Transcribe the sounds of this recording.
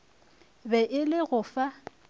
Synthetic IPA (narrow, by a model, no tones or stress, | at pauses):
bɛʔɪlɪɣʊfa